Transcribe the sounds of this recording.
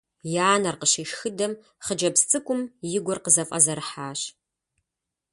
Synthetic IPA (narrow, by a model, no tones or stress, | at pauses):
jaːnɐrqəɕiːʃxɨdɐm | χəd͡ʒɐpst͡sʼɨkʷʼʊmjɪɡʷɔrqəzɐfʼɐ̰zɐɾħaːɕ